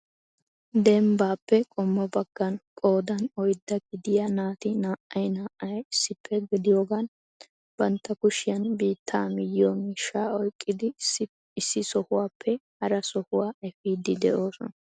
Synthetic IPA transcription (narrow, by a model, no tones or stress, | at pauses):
d̪ɛmbaːpːɛkʼɔmːɔbɐɡ̥ːɐnkʼo̞ːd̪ɐnɔjd̪ːɐɡɪd̪ɪjanaːt̪ɪnaːʔɐjnaːʔɐjɪsːɪpʰːɛɡɪd̪ɪjoːɡan | b̥ɐnt̪ːɐkʊʃɪjɐnbiːt̪ʰːaːmɪjjɔmiːʃːaːɔjkʼːɪd̪ɪ | ɪsːɪsɔhʊwaːpʰːɛhɐɾɐsɔhʊwaːɛfiːd̪ɪd̪ɛʔo̞ːsɔnɐ